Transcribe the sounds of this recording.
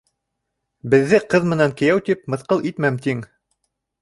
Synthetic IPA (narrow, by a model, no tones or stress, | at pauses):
bɘ̆ðːɘqɤðmɘ̆næŋkɘ̆jæwt̪ip̚mɤ̆θqɤlˠʔit̪mæmt̪iŋ